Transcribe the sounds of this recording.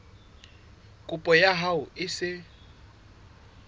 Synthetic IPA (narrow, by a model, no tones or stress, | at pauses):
kʼupʼɔjaɦaʊɪsɪ